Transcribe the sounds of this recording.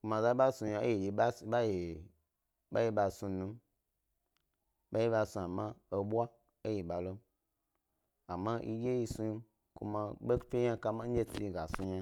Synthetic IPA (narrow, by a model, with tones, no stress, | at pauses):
ku˧mã˧za˦i˦ɓa˦sũ˧jã˧o̰˦je˨je˨ɓa˦si˨ɓa˦je˨ | ɓa˦je˧ɓa˧sũ˧nũ˧ | ɓa˦je˦ɓa˧˨sũ˧a˨mã˦o˧ɓʷa˦ | e˦je˨ɓa˨lo˦ | a˨mːã˦ʔḭ˧je˦ji˧sũ˧ji˧ | kṵ˧mã˧ɓe˦kfʲe˦ã˦˧ka˧mã˦n̩˦d͡ʒe˦ti˧i˧ɡa˨sũ˧ɲa˧